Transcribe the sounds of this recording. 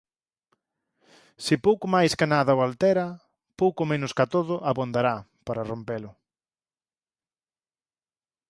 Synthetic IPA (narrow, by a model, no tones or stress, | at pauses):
sɪpowkʊmajskanaðɐoalt̪ɛɾɐ | powkʊmenʊskat̪oðʊʔaβond̪aɾa | paɾarompelʊ